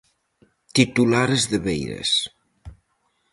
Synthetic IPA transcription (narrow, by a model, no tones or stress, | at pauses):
t̪it̪ulaɾezðəβejɾḛs